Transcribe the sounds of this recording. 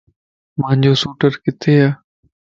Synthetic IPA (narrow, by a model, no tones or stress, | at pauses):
mãːɲd͡ʑoːsuːʈəɾkɪt̪ʰeːaː